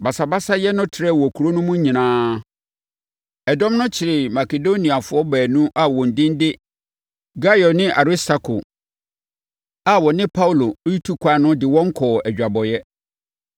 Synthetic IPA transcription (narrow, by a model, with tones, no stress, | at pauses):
ba˨sa˨ba˦sa˦jɛ˦nʊ̃˦tʰɪ˨ɾɛ˦˨wɔ˨kʰu˨ɾo˦nʊ̃˦mũ˦ɲĩ˨nãː˦ | ɛ˨dɔ̃˦mnʊ̃˦t͡ɕʰɪ˨ɾɪ˨ma˨ke˨do˦nĩ˨a˨fʊ˨˦ɔ˦bæː˨nũ˦ʔa˨wɔ̃˨n̩˨dɪ̃˦n˦dɪ˦ | ɡa˦jɔ˨nɪ̃˦ʔa˨ɾi˦sta˨kʰo˨ | a˨wɔ˨nɪ̃˦pʰa˦wu˦˨lo˨˦ji˦tʰu˦kʷʰa˨˦nʊ̃˦dɪ˨wɔ̃˦ŋ˦kʰɔː˨ɛ˨d͡ʑᶣa˨bɔ˨jɛ˦